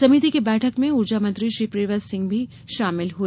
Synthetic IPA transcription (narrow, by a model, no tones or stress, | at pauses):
sɐmiːt̪ikebɛːʈʰəkmẽʊɾd͡ʒamə̃nt̪ɾiʃɾiːpɾeːʋəsɪ̃ŋɡbʱi | ʃaːmɪlɦu